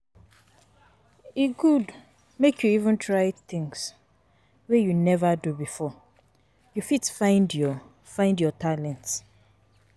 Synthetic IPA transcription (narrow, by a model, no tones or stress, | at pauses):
iɡud | mekʰjuivə̃ntʰɹaɪt̪ɪ̃ŋs | wɛjunɛvadubifɔ | jufitfãɪ̃ndjɔ | fãɪ̃ndjɔtʰalɛ̃nts